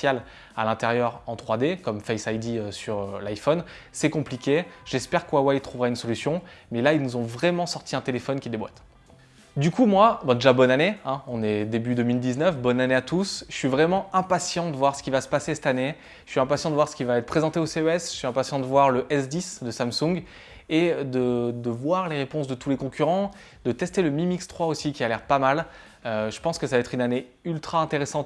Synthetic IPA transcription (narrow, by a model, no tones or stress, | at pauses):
jal | a̰lɛ̃t̪eʁjœʁɑ̃t̪χwad̪ekɔmfɛjsajd̪iøsyʁølajfɔn | sɛkɔ̃plikʲeʒ̥ɛspɛʁkwawɛjt̪χuvʁaynsɔlysjɔ̃mɛlailnuzɔ̃vʁɛmɑ̃sɔʁt̪ʰiɛ̃t̪elefɔnkʲid̪ebwa̰t̪ | d̪ykumwabɛ̃d̪eʒabɔnaneɛ̃ɔ̃nɛd̪ebyd̪əmild̪iznœfbɔnaneat̪usɥivʁɛmɑ̃ɛ̃pasjɑ̃d̪əvwaʁsə̥kʲivasə̥pasesɛ̥t̪ane | ʃəɥiɛ̃pasjɑ̃d̪əvwaʁsə̥kʲivaɛt̪χəpχezɑ̃t̪eoseøɛsʃɥiɛ̃pasjɑ̃d̪əvwaʁləʔɛsd̪isd̪əsamsũɡ | ed̪əd̪əvwaʁleʁepɔ̃sd̪ət̪ulekɔ̃kʲyʁɑ̃ | d̪̥ət̪ɛst̪eləmimikst̪χwaosikʲialɛʁpamal | øʒəpɑ̃skəsavaɛt̪χynane | ylt̪χaɛ̃t̪eʁesɑ̃t̪